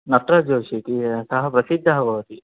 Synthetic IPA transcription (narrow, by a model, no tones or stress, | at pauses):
nɐʈɾɐd͡ʒoːʃit̪isɐɦɐpɾɐsid̪ʱːɐɦɐbʱɐʋɐt̪i